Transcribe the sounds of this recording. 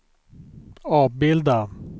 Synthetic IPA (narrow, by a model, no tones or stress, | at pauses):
ɑːvbɪld̪a